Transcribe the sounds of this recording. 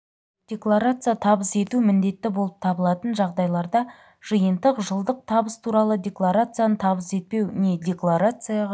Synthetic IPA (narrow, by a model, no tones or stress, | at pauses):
d̪̥ʲe̞klˠaɾat̪sɨjat̪ʰɑbəse̞t̪umɪnd̪e̞t̪ːɪbo̞lˠəp̚t̪ʰɑbəlˠɑt̪ənʒɑʁd̪ɑjlˠɑɾd̪ɑ | ʒ̥əjənd̪əqʒəlˠd̪əq̚t̪ʰɑbəst̪ʰuɾɑlˠəd̪ʲe̞klˠaɾat̪sɨjanət̪ʰɑbəse̞t̪̚pe̞wne̞d̪ʲe̞klˠaɾat̪sɨjaʁ